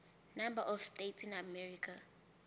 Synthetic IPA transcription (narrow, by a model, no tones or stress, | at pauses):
nambaʔɔfstetsinamɛɹikʰʼa